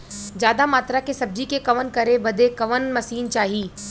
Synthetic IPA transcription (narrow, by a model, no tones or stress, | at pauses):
d͡ʒjaːd̪amaːt̪ɾakesɐb̚d͡ʒikekɐʋənkɐɾebɐd̪ʱekɐʋənmɐsiːnt͡ʃaːɦiː